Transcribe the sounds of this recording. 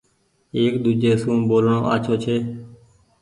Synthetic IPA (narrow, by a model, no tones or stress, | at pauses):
eːkd̪uːd͡ʒeːsũːmɓoːlɳõ̰ːʔa̰ːt͡ʃʰoːt͡ʃʰeː